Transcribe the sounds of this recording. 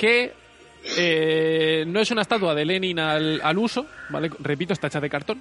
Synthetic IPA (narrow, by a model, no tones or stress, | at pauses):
ke̞ | e | no̞e̞sunaet̪at̪wað̞ele̞nĩnalaluso̞ba̰le̞kre̞p̬it̪ost̪aet͡ʃaðe̞kaɾt̪o̞n